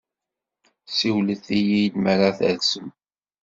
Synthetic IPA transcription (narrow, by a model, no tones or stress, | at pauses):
siwləθijijlməɾaθə̰ðsəm